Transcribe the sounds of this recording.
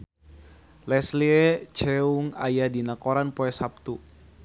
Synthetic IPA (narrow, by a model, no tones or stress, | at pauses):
lɛsliɛt͡ʃɛuŋa̰jadinakoɾanpoɛsap̚t̪u